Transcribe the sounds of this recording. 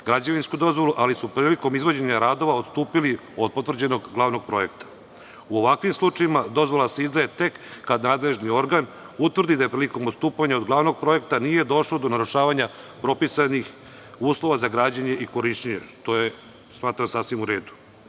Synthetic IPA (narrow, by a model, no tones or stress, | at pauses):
ɡɾad͡ʑaʋinskud̪o̞zʋo̞luʔalisupɾiːliko̞mizʋo̞d͡ʑeɲaɾaːd̪o̞ʋao̞t̪st̪uːpili | o̞d̪̚po̞t̪vr̩d͡ʑe̞no̞ɡɡlˠaːʋno̞ɡ̚pɾo̞je̞kt̪ḁ | uo̞ʋakʋimslˠut͡ʂaimad̪o̞zʋolˠase̞izd̪ajet̪e̞kːad̪naːd̪le̞ʒnio̞ɾɡan | ut̪ʋrd̪id̪ajepɾiːliko̞most̪uːpaɲaod̪ɡlˠaʋno̞ɡ̚pɾo̞jekt̪anije̞d̪o̞ʃlo̞d̪o̞naɾuʃaːʋaɲa | pɾo̞pisanix | uːslˠo̞ʋazaɡɾaːd͡ʑaɲe̞ʔiko̞ɾiʃeɲḛʃt̪o̞je | smaːt̪ɾamsaːsʋimuɾe̞ːd̪u̥